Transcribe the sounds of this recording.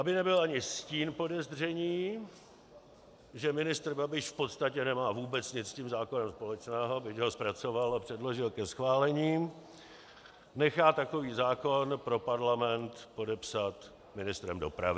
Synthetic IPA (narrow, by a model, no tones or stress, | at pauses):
ʔabɪnɛbɪlʔaɲɪsciːnpo̞dɛzr̝ɛɲiː | ʒɛmɪnɪst̪r̩babɪʃfpo̞t̪st̪acɛnɛmaːvuːbɛt͡sɲɪt͡sciːmzaːkonɛmspo̞lɛt͡ʃnɛːɦobɪcɦo̞spɾat͡so̞valapr̝̥ɛdlo̞ʒɪlkɛsxvaːlɛɲiː | nɛxaːt̪ako̞viːzaːko̞npɾo̞paɾlamɛnt̪po̞dɛpsat̪ | mɪnɪst̪ɾɛmdo̞̰pɾa̰vɪ